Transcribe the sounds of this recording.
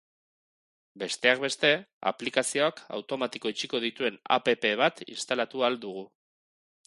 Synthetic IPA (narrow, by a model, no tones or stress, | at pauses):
be̞st̪e̞ak̚be̞st̪e̞a̰plikasio̞aka̰wt̪o̞mat̪iko̞it͡ʃiko̞ð̞it̪ue̞na̰pe̞pe̞β̞at̪ḭnst̪alat̪uald̪uɣ̞u